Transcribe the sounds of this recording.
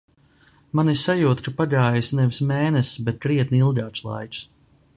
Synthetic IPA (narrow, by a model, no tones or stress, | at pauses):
manisajuːt̪kapaʎaːjisnɛvismɛːnɛsbɛt̪̚kɾiɛt̪nilˠɡʲaːt͡ʃlˠa̰jt͡ʃs